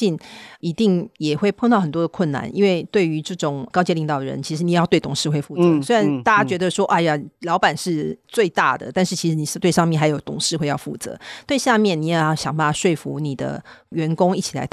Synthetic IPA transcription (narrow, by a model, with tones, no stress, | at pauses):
i˥˩ni˧˥t̪i˥˩ŋjɛ˨˩xwe˥˧ɪpʰŋt̪ɑ˥ʊxə˨˩nt̪wɔ˥d̪ə˨˩kʰwə˥˩nna̰˥˩nʔḭ˥nwe˥˧ɪt̪we˥˩ɪy˧˥ʈ͡ʂɤ˥˩ʈ͡ʂʊ˨˩ŋkɑ˥ʊt͡ɕɛ˥˧li˧˥ŋt̪ɑ˨˩ʊə˩ɻə̰˧˦nt͡ɕʰi˧˥ʂɻ̩˧˥ni˨˩˨jɑ˥˧t̪we˥˩t̪ʰʊ˨˩ŋʂɻ̩˥˧xwe˥˧ɪfu˥˩t͡sɤ˧˦swe˥ɪɻa˧˦nt̪a˥˧˩t͡ɕa˥t͡ɕɥɛ˧˥d̪ə˧ʂwɔ˥ʔa˥˧˩ja˨lɑ˧˥ʊpa˨˩nʂɻ̩˥˧t͡swe˥˧ɪt̪a̰˥˩d̪ə̰˩t̪a˥˧nʂɻ̩˥˩t͡ɕʰi˧˥ʂɻ̩˧˥ni˨˩˥t̪we˥˧ɪʂɑ˥˧mjɛ˥˩nxa˧˥ɪjo˨˩ʊt̪ʰʊ˨˩ŋʂɻ̩˥˧xwe˥˧ɪjɑ˥˧ʊfu˥˩t͡sɤ̰˧˦t̪we˥˧ɪɕja˥˧mjɛ˥˨nni˨˩jɑ˥˩ʊjɑ˥ʊɕjɑ˨˩ŋba˥˩a˨˩ʂwe˥˩ɪfṵ˧˦ni˨˩d̪ə̰˦ɥɛ˧˥nkʊ˥ŋi˥˩t͡ɕʰi˨˩la̰˧˥ɪ